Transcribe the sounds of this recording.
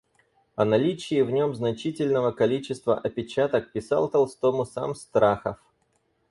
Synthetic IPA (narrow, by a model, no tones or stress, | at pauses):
ɐnɐlʲit͡ɕɪːvnʲo̞mznɐt͡ɕitʲɪlʲnəvəkɐlʲit͡ɕɪst̪və̰ʔɐpʲɪt͡ɕat̪ək̚pʲɪsa̰lˠt̪ɐlˠst̪o̞mʊsa̰mst̪ɾaxəf